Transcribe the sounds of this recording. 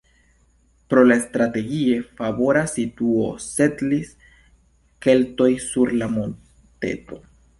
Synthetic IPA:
pɾo̞laest̪ɾate̞ɡie̞fabo̞ɾasːituo̞̰se̞tlis | ke̞lto̞jsuɾlamon | te̞̰to̞

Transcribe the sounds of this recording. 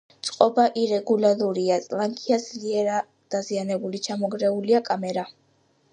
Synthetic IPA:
t̪sʼqʼɔbaʔiɾɛɡulaɾuɾiasʼlaŋkʼʰiad̪zliɛɾa | d̪̥azianɛbulit͡ʃʰamɔɡɾɛuliakʼamɛɾa

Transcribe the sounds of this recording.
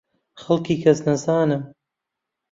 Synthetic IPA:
χɐlˠkiːkʰɐsnɐzaːnɨm

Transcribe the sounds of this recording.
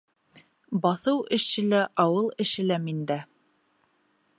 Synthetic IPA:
bɑθɤwʔɘ̆ʃɘ̆læʔɑwɤlˠɘ̆ʃɘ̆læmind̪æ

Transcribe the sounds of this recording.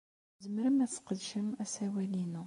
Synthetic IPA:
zəmɾəmæt͡sːqəd̪ʃəmæsæwælinu

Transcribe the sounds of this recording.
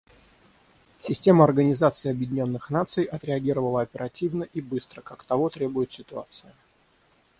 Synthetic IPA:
sʲɪsʲtʲe̞məɐrɡənʲɪzat̪sɨɪɐbjɪdʲɪnʲo̞nːɨxnat̪sɨjʔɐt̪ɾʲɪɐɡʲiɾəvəlˠəɐpʲɪɾɐtʲivnəʔibɨst̪ɾəkakt̪ɐvo̞t̪ɾʲe̞bʊjʊt̪sʲɪt̪ʊa̰t̪sɨjɪ

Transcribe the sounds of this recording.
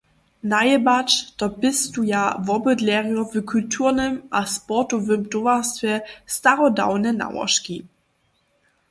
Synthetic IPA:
najɛbat͡ʃtɔbɪstujavɔbədlɛʁjɔvəkʰultʰuːʁnɛmʔaspɔtɔvəmt̪ovastvʲjɛstaʁɔda̰wnɛna̰wɔ̰ʃki

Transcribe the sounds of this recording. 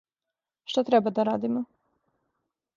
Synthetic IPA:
ʃt̪at̪ɾebad̪aɾaːd̪imo

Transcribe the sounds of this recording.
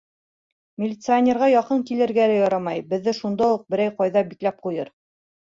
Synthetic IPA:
mʲɪlʲɪt̪sɨanʲeɾʁɑjɒqɤŋkilɘ̆ɾɡælɘjɒɾɑmɑjbɘ̆ðːɘʃund̪ɑuq̚bɘ̆ɾæjqɑjðɑbiklæp̚qujɤɾ

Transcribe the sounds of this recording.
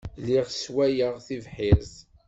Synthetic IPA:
liʁswæjəʁθivħɪɾz

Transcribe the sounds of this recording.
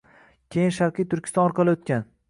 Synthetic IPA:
kʲʰejɪnʃaɾqʰijt̪ʰʊɾkʲɪ̥st̪ɒnɒɾqʰɑlˠɪot̪̚kʲan

